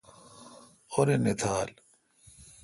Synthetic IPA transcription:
xoɾenet̪ʰaːl

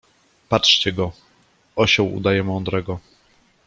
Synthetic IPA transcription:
patʂt͡ɕɛɡɔ | ɔɕɔwṵd̪ajɛmɔnd̪ɾɛɡɔ

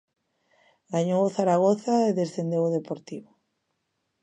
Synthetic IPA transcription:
ɡaɲowoθaɾaɣ̞oθaeðesθend̪ewoð̞epoɾt̪iβo

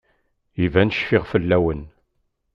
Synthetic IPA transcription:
ivænəʃfɪʁfəlːæwən

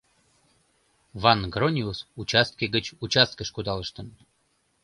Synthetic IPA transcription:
vɑnɡronʲiusut͡ɕast̪̚kʲeɡət͡ɕut͡ɕast̪̚kəʃkud̪ɑlˠəʃt̪ən

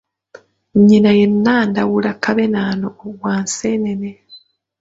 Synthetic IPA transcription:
ɲːinajenːaːndawulakːaβenaːnoːɡwaːnseːnene

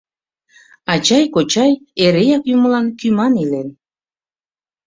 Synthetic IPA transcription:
ɑt͡ɕɑjkot͡ɕɑjeɾejɑkjuməlɑnkymɑnilen

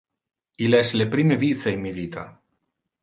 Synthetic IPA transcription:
ilɛslepɾimevit̪t͡s̪eimiðit̪ʰa̰

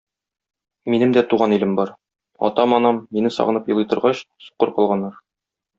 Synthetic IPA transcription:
minɘmd̪æt̪uʁɑnilɘmbɒɾ | ɒ̰t̪ɑmɒnɑmːinɘsɒ̰ʁɤ̆nɤpjɤ̆lˠɤjt̪ɤ̆ɾʁɑɕsu̥qɤɾqɒlˠʁɑnːɑɾ

